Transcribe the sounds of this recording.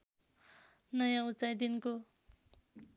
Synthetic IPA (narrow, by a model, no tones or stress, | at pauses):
nʌjãut͡sajd̪inko